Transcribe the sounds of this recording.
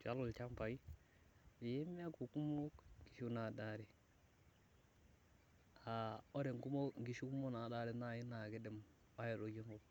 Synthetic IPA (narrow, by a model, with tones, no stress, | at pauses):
t͡ʃa˦lu˨lt͡ʃa˦mpa˨i˦ | i˨je˦mi˦a˦ku˨ku˦mo˦kŋ˨ɡi˨ʃu˦na˨da˦ɾi˨ | a˨o˦ɾe˨ŋku˦mo˦ŋ˨ɡi˨˦ʃu˦ku˦mo˦na˨da˦ɾe˨na˦˨ji˦na˨ɡe˦de˦m | a˦jo˨do˨d͡ʒi˦ŋɡo˦˨